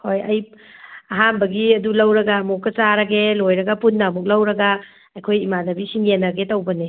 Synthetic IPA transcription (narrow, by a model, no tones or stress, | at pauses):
hojɐj | ɐɦambɐɡiɐdulɐwɾɐɡɐmukːɐt͡ʃaɾɐɡelojɾɐɡɐpunːamuk̚lɐwɾɐɡɐ | ɐjkʰojimanɐbisiŋenːɐɡetɐwbɐne